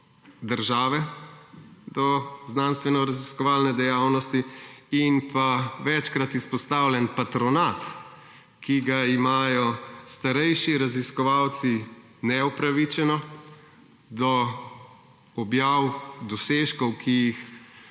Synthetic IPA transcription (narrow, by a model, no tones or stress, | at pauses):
d̪əɾʒaːʋɛ | d̪ɔznanst̪ʋɛnɔɾaziskɔʋaːlnɛd̪ɛjaːwnɔst̪iinpaʋɛt͡ʃkɾat̪ispɔst̪awlʲjɛnpat̪ɾɔnat̪ | kiɡaimaːjɔst̪aɾɛjʃiɾaziskɔʋawt̪si | nɛupɾaʋit͡ʃɛnɔ | d̪ɔ | ɔbjawd̪ɔseʃkɔwkʰijix